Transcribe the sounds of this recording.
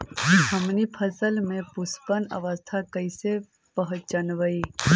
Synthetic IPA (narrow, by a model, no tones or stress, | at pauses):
həmnipʰəsəlmẽpʊspənə̰ʋəst̪ʰakəise | pəɦʊt͡ʃənʋəi